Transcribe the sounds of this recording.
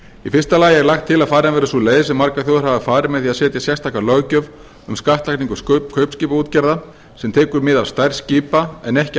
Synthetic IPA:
ifɪrst̪alaːjɪɛɾlaxt̪ʰːɪlaðfaːɾɪanvɛːɾʏsulejðɪsɛmːaɾkaθjoðʏɾhavɪfaːɾɪmɛðθiaðsɛːt̪jasjɛst̪ʰakaɾlœɣcœv | ʏmskaht̪lahkniŋkʏkʰœɥpsciːpauːt̪cɛɾða | sɛmt̪ʰɛːkʏɾmɪðavst̪ajɾ̥sciːpaɛnɛhc

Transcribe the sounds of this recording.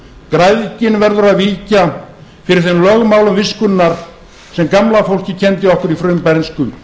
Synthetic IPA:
kɾajðcɪnvɛɾðʏɾaðviːca | fɪɾɪɾ̥θenlœɣmaːwlʏmvɪskʏnːaɾ̥ | sɛmkamlafowl̥cɪcʰɛnt̪ɪɔhkʏɾifɾʏmpaɾnskʏ

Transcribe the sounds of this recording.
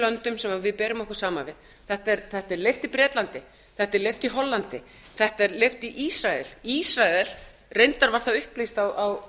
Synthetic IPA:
lœnt̪ʏmsɛmavɪðpɛːɾʏmɔhkʏ̥saːmavɪð | θɛht̪ɛɾθɛht̪ɛɾlejft̪ipɾɛːt̪lant̪ɪ | θɛht̪ɛɾlejft̪iɦɔlːant̪ɪ | θɛht̪ɛɾleft̪iʔisɾaɛlisɾaɛl̥ | rejnt̪aɾvaɾ̥θaʏhplist̪awaw

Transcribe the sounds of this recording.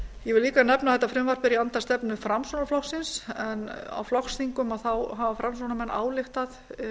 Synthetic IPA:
jɛvɪliːkanɛpnaðθɛt̪ːafɾʏmvar̥pɪɾiant̪ast̪ɛpnʏfɾamsonaflɔxsɪnsɛna̰wflɔxsθiŋkʏmaðθawɦaːvafɾamsonamɛnːa̰ːwlɪxt̪að

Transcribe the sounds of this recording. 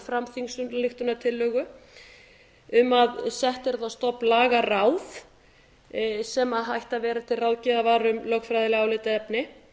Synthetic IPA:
fɾamθiŋsʏnlɪxt̪ʏnat̪ʰɪlːœːɣʏ | ʏmaðsɛht̪ɛɾðast̪ɔpnlaːɣarawθ | sɛmaðɦajht̪avɛːɾat̪ʰɪlrawðcɪðavaːɾʏmlœːxfɾajðɪlɪaːwlɪːt̪aɛpnɪ

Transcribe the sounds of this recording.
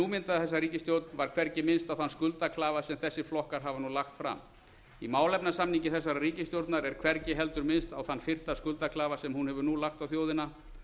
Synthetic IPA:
nuːmɪnt̪aθɛsːariːcɪst̪jowt̪nvaɾ̥kʰvɛɾcɪmɪnst̪awθanskʏlt̪akʰlaːvasɛmθɛsːɪflɔhkaɾ̥ɦavanulaxt̪fɾa̰m | imaːwlɛpnasamniɲcɪθɛs̬ːaɾariːcɪst̪jowɾt̪naɾɛɾkʰvɛɾcɪɦɛlt̪ʏɾmɪnst̪awθanːfɪr̥t̪askʏlt̪aklaːvasɛmhunhɛvʏɾnulaxt̪awθjoːwðɪna

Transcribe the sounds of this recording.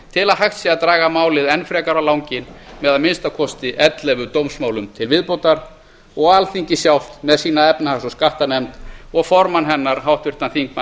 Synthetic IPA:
t̪ʰɪlaðɦaxt̪siaðt̪ɾaːɣamaːwlɪðɛnfɾɛːkaɾawlawŋcɪnmɛðaðmɪnst̪akʰɔst̪ɪʔɛt̪lɛvʏt̪owmsmaːwlʏmt̪ʰɪlvɪðpowt̪aɾ | ɔɣalθiɲcɪsjawl̥t̪mɛðsiːnaɛpnahasɔskaht̪anɛmt̪ɔɣfɔɾmanɦɛnːaɾɦawht̪vɪɾ̥t̪anθiŋk̚ma

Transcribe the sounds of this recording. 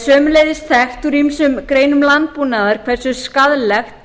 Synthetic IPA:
sœːmʏleːjðɪst̪ʰɛxt̪uɾimsʏmkɾeːjnʏmlant̪̚punaðaɾ̥kʰvɛɾ̥sʏskaðlɛxt̪

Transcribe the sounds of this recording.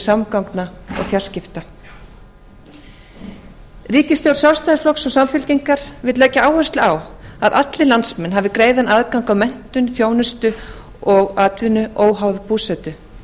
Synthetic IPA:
samkawknaɔ̰ɣfjar̥scɪft̪a | riːcɪst̪jowɾ̥sjawst̪ajðɪsflɔksɔɣsamfʏlciŋkaɾ̥vɪðlɛːcːaaːwhʏst̪lawaðʔat̪lɪlant̪smɛnɦavɪkɾeːjðanaðkawŋkawmɛn̥t̪ʏnθjoːwnʏst̪ʏ | ɔɣaːt̪vʏnʏʔoːwɦawðpʰuːsɛt̪ʏ

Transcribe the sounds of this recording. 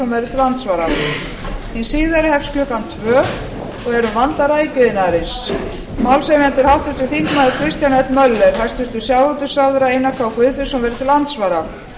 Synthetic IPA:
ɔmvɛjɾɪt̪ʰɪlant̪svaɾa | hinsiːðaɾɪhɛfscœkant̪ʰvœːɣ | ɔɣɛɾʏvant̪aɾaicʏðɪnaɾɪns | mawlsejmɛnt̪ɪɾ̥hawt̪vʏɾ̥t̪ʏ̥θiŋkmajðɪkʰɾɪst̪janɛt̪mœlːɛɾ̥hast̪vʏɾ̥t̪ʏsjawɾɔt̪ʏ̥sawðʏɾaejnːakʰvawkʰvɪðfɪ̥sɔmvɛɾɪ̥t̪ʰɪlːant̪svaɾa

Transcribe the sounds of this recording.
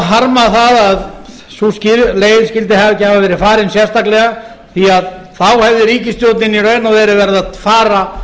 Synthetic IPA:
ðɦaɾmaθaðað | suscɪleːjɪðscɪlt̪̬ɪhavcɪhavavɛːɾɪɾfaːɾɪnsjɛst̪aklɛɣa | θiaðθawhɛvðɪɾiːcɪst̪joːwt̪nɪnirœːɥnavɛɾɪvɛɾðaðfaːɾa

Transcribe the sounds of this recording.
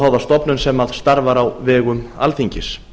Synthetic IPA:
awðast̪ɔpnʏnsɛmaðst̪aɾvaɾawvɛːɣʏma̰lθiɲcɪs

